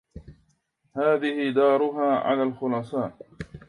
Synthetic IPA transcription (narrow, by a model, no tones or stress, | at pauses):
haːðɪhɪd̪ɑːɾˤʊɦaːʕa̰laːlxʊlɑːsˤɑːn